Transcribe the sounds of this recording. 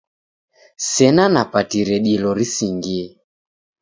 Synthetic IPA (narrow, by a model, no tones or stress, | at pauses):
sɛnanapatiɾɛɗilɔɾisiŋɡiɛ